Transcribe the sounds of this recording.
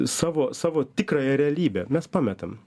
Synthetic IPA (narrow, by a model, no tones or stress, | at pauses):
sɑːʋoːsɑːʋoːt̪ʲɪkrɑːjɛɾʲɛɐlʲiːbʲeːmʲɛspɑːmʲɛt̪ɐm